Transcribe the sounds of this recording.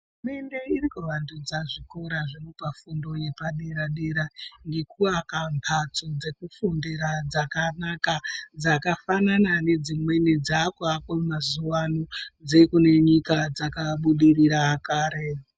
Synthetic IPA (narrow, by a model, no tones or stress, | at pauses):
ume̞nde̞irikuʋandud͡zaʐiko̞ɾaʐemupafundo̞je̞paɗeɾaɗe̞ɾaŋɡe̞kuakampʰat͡sod͡ze̞kufundeɾad͡zakanakad͡zakafananane̞d͡zimwe̞nid͡zakuakomazuwanod͡zekune̞ɲikad͡zakaɓuɗiriɾaːkaːɾe̞